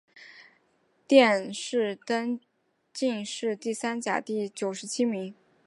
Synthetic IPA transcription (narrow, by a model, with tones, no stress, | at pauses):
t̪jɛ˥˧nʂɻ̩˥˩t̪ə˥n | t͡ɕi˥˧ŋʂɻ̩˥˧t̪i˥˩sa˥nt͡ɕja̰˨˩t̪i˥˩t͡ɕjo˨˩ʊʂɻ̩˧˥t͡ɕʰi˥mi˧˥ŋ